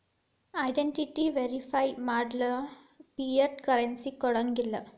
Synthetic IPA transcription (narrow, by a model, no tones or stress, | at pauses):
ɐjɖeɳʈiʈiʋeɾifajmaːɖlɐ | piɐɾʈkɐɾensikɔɽɐŋɡilːɐ